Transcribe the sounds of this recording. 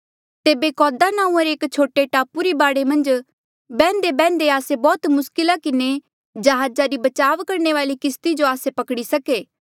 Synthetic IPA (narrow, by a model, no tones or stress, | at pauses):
t̪eːbekɔːd̪anãːũɐɾeːkt͡ʃʰoːʈeʈaːpuɾibaːɽemɐ̃nd͡ʒ | bɛ̃ːnd̪ebɛ̃ːnd̪eaːsebɔːt̪mʊskɪlakɪne | d͡ʒɐɦaːd͡ʒaɾibɐt͡ʃaːʋkɐɾneʋaːlikɪst̪id͡ʒoaːsepɐkɽisɐkeː